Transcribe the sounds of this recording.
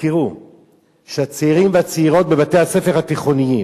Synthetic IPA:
kiʁu | ʃeat͡seiʁimveat͡seiʁo̞t̚be̞bate̞jhase̞fe̞ʁhat̪iχo̞niji

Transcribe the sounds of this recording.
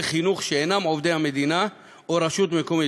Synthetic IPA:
χinuχʃeenamʕovd̪ejhame̞d̪ina | oɾaʃut̪mekomi

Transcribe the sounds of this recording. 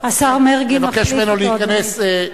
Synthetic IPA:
asaʁmeʁɡimvakeʃmenoleikɐnes

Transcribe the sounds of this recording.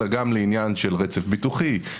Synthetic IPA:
aɡamleinjanʃelʁet͡sefbituχi

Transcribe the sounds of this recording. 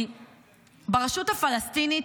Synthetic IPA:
baʁaʃuthafalast̪init

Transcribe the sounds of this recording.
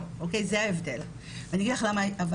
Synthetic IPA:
ʔokejzeaevdel | veaniaɡidlaχlamaava

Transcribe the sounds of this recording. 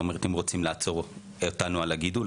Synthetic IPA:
omeet̪imʁot͡simlaat͡so̞ʁ | otanualaɡidu

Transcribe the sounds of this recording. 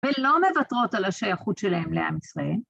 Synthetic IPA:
velo̞me̞vatʁo̞talaʃajaχutʃelahemlea̰misʁael

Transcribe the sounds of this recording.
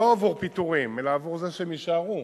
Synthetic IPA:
oavuʁpit̪uʁimːelaːvuʁzaʃemiʃaːʁu

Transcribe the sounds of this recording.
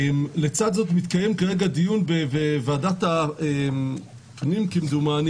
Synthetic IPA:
mlet͡sad̪zo̞t̪mit̪kajemkaʁe̞ɡadijunbevevaːdat̪aem | pnimkimd̪umaːn

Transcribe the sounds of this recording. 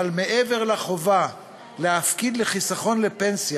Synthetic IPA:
lme̞ʔeve̞ʁlaχo̞va | leafkid̪leχisaχo̞nle̞pe̞nsj

